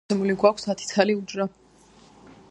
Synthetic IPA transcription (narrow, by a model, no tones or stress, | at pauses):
ɛmuliɡwakʷʰsat̪ʰi̥t̪sʰaliud͡ʒɾa